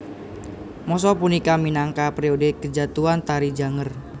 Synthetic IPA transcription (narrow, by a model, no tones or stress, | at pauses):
mɔs̬ɔpunikaminaŋkapɾiodekəd͡ʒat̪uant̪aɾid͡ʒa̤ŋər